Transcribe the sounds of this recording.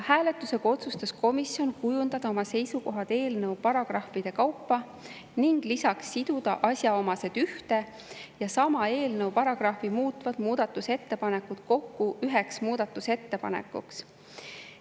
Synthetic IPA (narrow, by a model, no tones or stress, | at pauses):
hæːle̞t̪ːˑuse̞ɡ̥ɑo̞t̪sust̪ɑsko̞misjo̞nkujund̪ɑd̪ɑo̞mɑse̞jsuko̞ɦɑd̪̥e̞ːlnɤwpɑɾɑɡ̥rɑhfid̪̥e̞kɑwpːɑ | niŋɡ̥lisɑksːid̪̥ud̪̥ɑʔɑsʲjɑo̞mɑse̞d̪̥yht̪e̞ | jɑsɑmɑe̞ːlnɤwpɑɾɑɡ̥rɑhvimuːt̪ːˑvɑd̪̥muːd̪̥ɑt̪ːˑuse̞t̪ːe̞pɑne̞kːut̪ko̞kːuyɦe̞ksmuːd̪̥ɑt̪ːˑuse̞t̪ːe̞pɑ̰nḛkːˑṵks